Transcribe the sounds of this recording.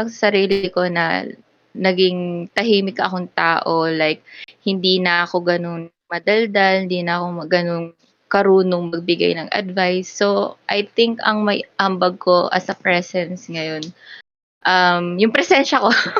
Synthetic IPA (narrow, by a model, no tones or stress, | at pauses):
ɐsɐɾiːlɪko̞nɐ̰ | nɐɡɪŋt̪ɐɦiːmɪkːɐʔɐko̞ŋt̪aːʔo̞lajk̚hɪnd̪iːnɐʔɐko̞ɡɐno̞ŋ | mɐd̪ɐld̪ɐlhɪnd̪iːnɐʔɐko̞mɐɡɐno̞ŋ | kɐɾuːno̞ŋmɐɡ̚bɪɡa̰jnɐŋʔɐ̰d̪vajsːo̞ʔɐjt̪ɪŋkɐ̰ŋmɐjʔɐmbɐɡ̚ko̞ʔɐ̰sɐpɾɛsɛnsŋɐjo̞n | ʔɐmjʊŋpɾɛsɛnʃɐko̞